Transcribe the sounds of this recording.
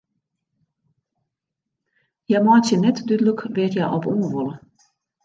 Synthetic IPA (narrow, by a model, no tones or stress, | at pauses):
jamaːt͡ʃʰinɛt̪ʰd̪yd̪lukʰvɛɾjaʔɔbuːvul